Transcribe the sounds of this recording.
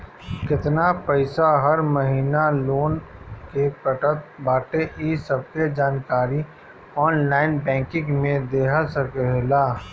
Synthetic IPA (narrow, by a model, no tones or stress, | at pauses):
kɪt̪napəɪsaɦɐɾməɦiːnaloːnkepəʈət̪̚baːʈeʔisəb̚ked͡ʒaːnkaːɾi | ɔːnlaːɪnbɛ̃ːŋkɪ̃ŋɡmẽd̪eːɦasəkɛɦlaː